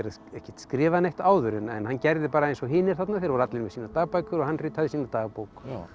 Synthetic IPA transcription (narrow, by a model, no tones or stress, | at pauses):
ɛɾa | ɛhcɛ̥ht̪skɾɪːvanejht̪aːwðʏɾɪnɛ̰nhanːcɛɾðɪpaːɾaejnsɔɣɦɪːnːɪɾ̥θat̪naθejɾvɔɾat̪lɪnvɛsiːnat̪aːɣpajkʏɾɔɣhanrɪːt̪haðɪsiːnat̪aːɣpowk